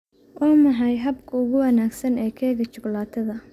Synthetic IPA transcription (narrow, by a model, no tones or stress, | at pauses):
ʔɔːmɑħɑjɦɐbkʰɐʊɣʊwɐnaːɡsɐnɛːkʰɛːɣɐt͡ʃʊɡlaːt̪ʰɐðɐ